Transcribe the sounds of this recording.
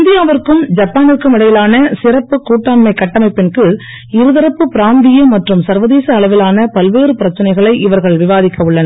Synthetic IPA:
ɪnd̪ɪjaːʋɐɾkːɯmd͡ʒɐpːaːnɪrkːɯmɪɽɐjɪlaːnɐsɪrɐpːɯkːuːʈːaːnmɐɪkːɐʈːɐmɐɪpːɪnkɯ | ɪɾɯðɪɾɐpːɯpɪɾaːnd̪ɪjɐmɐʈrɯmsɐɾʋɐðiːsɐːɭɐʋɪlaːnɐpɐlʋeːɾɯpɪɾɐt͡ʃːɐnɐɪɣɐɭɐɪʔɪʋɐɾɣɐɭʋɪʋaːðɪkːɐɯɭːɐnɐ

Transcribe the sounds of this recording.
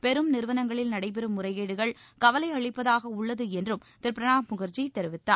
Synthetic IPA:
pɛɾɯmnɪɾɯʋɐnɐŋɡɐɭɪlnɐɽɐɪp̬ɛɾɯmːʊrɐɪɣeːɽɯɣɐɭkɐʋɐlɐɪɐɭɪpːɐðaːɣɐʊɭːɐðɯɛndrɯmt̪ɪɾpɪɾɐɳaːmʊɣɐɾt͡ʃit̪ɛɾɯʋɪt̪ːaː

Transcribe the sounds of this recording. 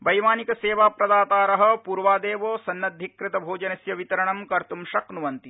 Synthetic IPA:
bɐjʋaːnikɐseːʋaːpɾɐd̪aːt̪aːɾɐɦɐ̆puːɾʋaːd̪eːʋoːsɐnːɐd̪ʱːikɾɪt̪ɐbʱoːd͡ʒɐnɐsjɐʋit̪ɐɾɐɳɐmkɐɾt̪umʃɐknuʋɐnt̪i

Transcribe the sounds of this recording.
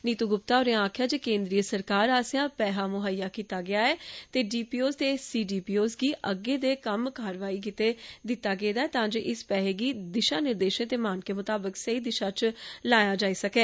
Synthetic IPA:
niːt̪uːɡʊp̚t̪aːoːɾẽãaːkʰjaːd͡ʒeːkẽːnd̪ɾijəsəɾkaːɾaːsjãːpɛːɦaːmʊɦaːijaːkiːt̪aːɡɪaːɛːt̪eːɖiːpiːoːst̪eːsiːɖiːpiːoːsɡiːʔəɡeːd̪eːkəmkaːɾʋaːiːk̬it̪eːd̪ɪt̪ːaːɡeːd̪aːɛːt̪ãːd͡ʒeːʔɪspɛːɦeːɡiːd̪ɪʃaːnɪɾd̪eːʃẽt̪eːmaːnkeːmʊt̪aːbəksəiːd̪ɪʃaːt͡ʃlaːjaːd͡ʒaːiːsəkɛː

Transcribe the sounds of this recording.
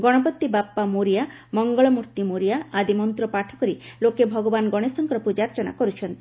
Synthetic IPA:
ɡɔɽ̃ɔbɔt̪ːibapːamoɾija | mɔŋɡɔɭɔmuɾt̪imoɾijaːd̪imɔnt̪ɾɔpaʈʰɔ̥kɔɾilokebʱɔɡɔbanɡɔɽ̃esɔŋkɔɾɔpud͡ʒaɾt͡ʃɔna̰kɔɾut͡ʃʰɔnt̪i̥

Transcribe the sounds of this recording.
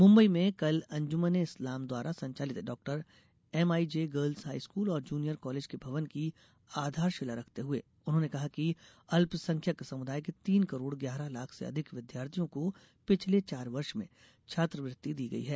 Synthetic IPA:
mʊ̃mbəimẽkɐlɐ̃ɲd͡ʒʊməneɪslaːmd̪waːɾʔasɐ̃ɲt͡ʃaːlɪt̪ɦɛɖɔːk̚ʈəɾ | ɛmaːid͡ʒeɡəːɾlzɦaːiskuːlɔːɾd͡ʒuːnijəɾkɔːleːd͡ʒkebʱɐʋənki | aːd̪ʱaːɾʃɪlaɾɐkʰt̪eɦuḛː | ʊnɦõːnekɐɦaki | ɐlpsɐ̃ŋkʰjəksɐmʊd̪ʱaːjket̪iːnkɐɾoːɽɡjaːɾəlaːkʰsḛɐ̰d̪ʱɪkʋɪd̪jaːɾt̪ʰijõko | pɪt͡ʃʰlet͡ʃaːɾʋɐɾʃmḛ̃ | t͡ʃʰaːt̪ɾəʋɾɪt̪ːid̪iːɡɐ̰ḭɦɛː

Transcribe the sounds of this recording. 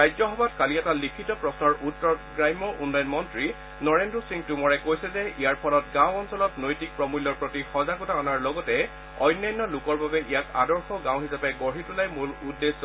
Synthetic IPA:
ɹajzɔxɔbatkaliɛtalikʰitɔpɹɔsnɔɹʔutːɔɡɹajmɔɹunːɔjɔnmɔntɹi | nɔɹendɹɔsiŋtumɔɹɛkojsɛzɛijaɹpʰɔlɔtɡãwɔnsɔlɔtnojtik̚pɹɔmulːɔɹpɹotixɔzakutaɔnaɹlɔɡɔtɛ | ɔjnːajnːɔlʊkɔɹbabɛʔijaka̰dɔɹxɔɡãw̃ɦisapɛɡɔɹ̤itulajmuludːesːɔ

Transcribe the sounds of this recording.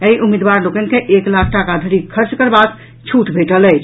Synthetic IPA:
əiʔumid̪baɾlokənkeʔeklakʰʈakad̪ʱəɾikʰəɾt͡ʃkəɾbad̪ | t͡ʃʰuʈbʱeʈələɪt͡ʃʰ

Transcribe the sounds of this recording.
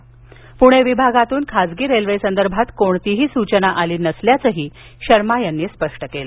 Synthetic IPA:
puɽ̃eʋibʱaɡat̪uːnkʰad͡zɡiːɾelʋesənd̪əɾbʱat̪koɳt̪iɦiːsut͡ɕənaʔaliːnəsljat͡səɦiː | ɕəɾmajanːiːspəʂʈəkelə

